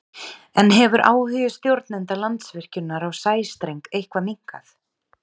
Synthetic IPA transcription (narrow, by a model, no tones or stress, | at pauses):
ɛnɦɛvʏɾʔa̰ːwhʏjʏst̪jowɾt̪nɛnt̪alant̪svɪr̥cʏnːaɾawsaːjst̪ɾejŋkejhkvamiŋka̰θ